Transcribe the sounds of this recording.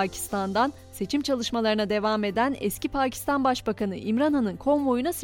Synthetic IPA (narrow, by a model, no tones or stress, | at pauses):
cʰi̥st̪ʰand̪an | se̞t͡ʃʰimt͡ʃʰalˠɯʃmalˠaɾɯnad̪e̞vaːme̞d̪ænɛ̰scipʰaːcʰi̥st̪anbaʃbakʰanɯ̰ʔimɾanɦanɯnkʰo̞nvo̞junas